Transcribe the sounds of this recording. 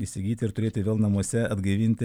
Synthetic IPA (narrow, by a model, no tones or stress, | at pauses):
isʲɪɡʲiːt̪ʲɪɪɾt̪ʊɾʲeːt̪ʲɪʋʲeːlˠnɐmuɔsʲɛɐd̪ɡɐɪʋʲɪnʲt̪ʲɪ